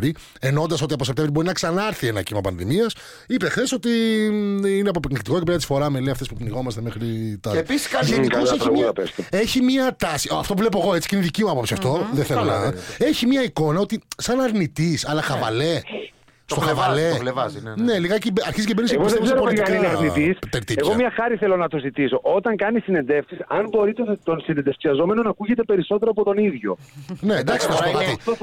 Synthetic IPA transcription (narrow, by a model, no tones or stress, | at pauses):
ɾi | eno̞nd̪ɐs̬o̞t̪iɐpo̞sept̪evɾibo̞ɾinɐksɐnɐɾθie̞nɐcimɐpɐ̰nðḭmiɐs | ipexθe̞so̞t̪i | ineɐpopiknikt̪ikocepeɾɐt̪i̥sfo̞ɾɐmeleɐft̪espukniɣo̞mɐst̪emexɾit̪ɐeissɐʝenioseçimpeseçimiɐt̪ɐsiɐ̰ft̪ouvlp̬oe̞ɣo̞et͡si̥ceineðicimuɐpo̞psiɐft̪o̞ðeθenɐe̞çimiɐiko̞nɐo̞t̪isɐnɐɾnit̪isɐlɐxɐvɐ̰le̞ | st̪oxɐvɐlevɐzne̞liɣɐcibɐɾçiz̬cebeniseɣosðeɾopolit̪ɐknineɐɾnit̪ist̪eɾt̪ieɣomɲɐxɐɾiθelonɐt̪uzit̪iso̞ʔo̞t̪ɐŋkɐnisine̞nd̪efksisɐnbo̞ɾit̪et̪o̞nsinend̪efksiɐzo̞me̞nonɐkuʝe̞t̪e̞pe̞ɾiso̞t̪eɾoɐpot̪o̞niðʝo̞ne̞d̪ɐksit̪ɐspokɐi